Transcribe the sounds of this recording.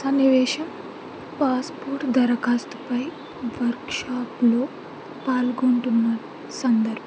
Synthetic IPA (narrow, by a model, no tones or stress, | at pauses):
sɐnːiʋɛːʃɐm | paːspoːɾʈd̪ɐɾɐkaːst̪upɐj | ʋɐɾkʃaːplo̞ː | paːlɡuɳʈunːɐ | sɐnd̪ɐɾbʱɐ